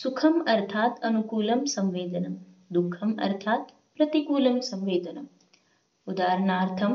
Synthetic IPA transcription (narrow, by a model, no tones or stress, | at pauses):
sukʰɐmɐɾt̪ʰaːt̪ɐnukuːlɐmsɐ̃mʋeːd̪ɐnɐmd̪ukʰːɐmɐ̰ɾt̪ʰaːt̪ | pɾɐt̪ikuːlɐmsɐ̃mʋeːd̪ɐnɐm | ud̪aːɾɐɳaːɾt̪ʰɐm